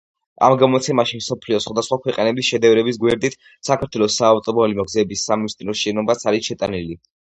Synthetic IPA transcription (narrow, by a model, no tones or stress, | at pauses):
a̰mɡamɔt̪sʰɛmaʃimsɔpʰliɔsχwad̪asχwakʰwɛqʼɛnɛbisʃɛd̪ɛvɾɛbis̬ɡwɛɾd̪it̪ʰ | sakʰaɾt̪ʰwɛlˠɔsːaːvt̪ʼɔbɔlimɔɡzɛːbisːamnist̪ʼinɔst͡ʃʼinɔbat̪sʰaɾisʃɛt̪ʼa̰nili